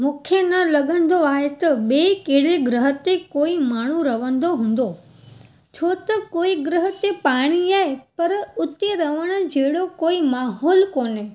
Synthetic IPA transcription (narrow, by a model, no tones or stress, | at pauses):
mũːkʰenɐlɐɠə̃nd̪oaːɦet̪ɐɓeːkeɦɽeɡɾəɦət̪ekoːimaːɳ̤uɾɐʋə̃nd̪oɦũːn̆d̪o | t͡ɕʰoːt̪ɐkoːiɡɾəɦə̆t̪epaːɽ̃iaːɦepɐɾʊt̪eɾɐʋəɽ̃ʊ̆d͡ʑɐɦɪɽokoːimaːɦɔːlkoːne